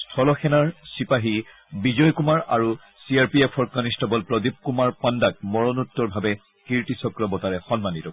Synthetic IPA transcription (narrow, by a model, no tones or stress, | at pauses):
stʰɔlɔxʰɛnaɹsipaɦi | bizɔjkumaɹaɹu | siaɹpiepʰɔɹkanistɔbɔlpɹɔdip̚kumaɹpandak̚mɔɹɔnutːɔɹbʱabɛ | kiɹtisɔkɹɔbɔtaɹɛxɔnmanitɔ